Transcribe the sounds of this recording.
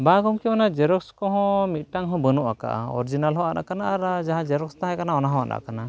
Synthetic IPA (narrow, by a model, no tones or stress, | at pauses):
baɡɔmkɛmanad͡ʒɛɾɔkskɔɦɔ̃mit̪̚ʈaŋɦɔ̃bənuʔaka̰ʔa̰ɔ̰ɾd͡ʒinalɦɔ̃ana̰ʔkanaʔaɾad͡ʒaɦãd͡ʒɛɾɔkst̪ãɦajkanaɔnaɦɔ̃a̰na̰ʔkana